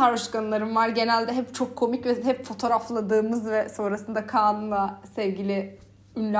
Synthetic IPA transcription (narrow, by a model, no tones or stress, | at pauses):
aɾoʃkanɯlˠaɾɯmvaɾɟe̞nælʲd̪ɛɦɛpt͡ʃʰo̞kʰːo̞micvɛɦɛpfo̞t̪ʰo̞ɾaflˠad̪ɯːmɯzvɛso̞nɾasɯnd̪akʰaːnunlˠasɛvɟilʲɪ | ynlʲ